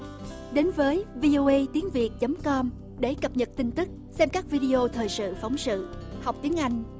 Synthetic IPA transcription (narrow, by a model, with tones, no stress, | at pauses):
ɗe˨˦nvəː˨˦jvi˧ʔo˧ʔə˧jt̪i˨˦əŋvi˨˩ət̚t͡ɕə˨˦mkɔ˧m | ɗe˧˩kə˨˩p̚ɲə˨˩t̚t̪ï˧ŋ̟t̪ɨ˦˥k̚ | sɛ˧mkaː˦˥k̚vi˧ɗi˧ʔo˧t̪ʰəː˨˩jsɨ̰˧˨fa˨˦wŋ͡msɨ̰˧˨ha˨˩wk͡p̚t̪i˨˦əŋʔa˧jŋ̟